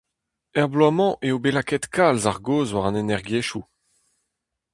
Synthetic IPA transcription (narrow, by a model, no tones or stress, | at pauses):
ɛʁblwamɑ̃ʔeobelakɛt̪kʰalzaʁɡoːzwaʁɑ̃nenɛʁɡjeʃu